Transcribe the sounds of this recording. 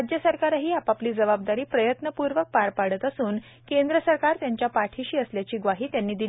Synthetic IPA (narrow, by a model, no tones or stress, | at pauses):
d͡ʑjəsəɾkaɾaɦiːapapliːd͡zəbab̚d̪aɾiːpɾəjət̪nəpuɾʋək̚paɾpaɽət̪əsuːn | kend̪ɾəsəɾkaɾt̪jaɲt͡ɕjapaʈʰiɕiːəsljat͡ɕiːɡʋaɦiːt̪janːiːd̪i